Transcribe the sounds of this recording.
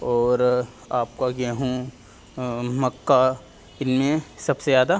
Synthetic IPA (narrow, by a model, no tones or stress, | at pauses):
ɔːɾ | aːp̚kaɡeɦũ | mɐkːa | ɪnmẽsɐbsezaːd̪a